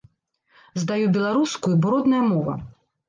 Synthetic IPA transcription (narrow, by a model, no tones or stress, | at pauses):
zd̪ajubʲɛlˠaɾuskujubɾɔd̪nɐjɐmɔvɐ̰